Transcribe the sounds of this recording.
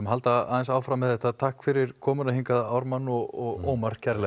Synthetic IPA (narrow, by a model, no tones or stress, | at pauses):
mɦalt̪aa̰ːðɛnsaːwfɾamːɛðɛht̪ːat̪ʰahkfɪɾɪɾ̥kʰɔːmʏnahiŋkaðaawɾmanːɔɣɔɣoːwmaɾ̥cʰɛɾlɛ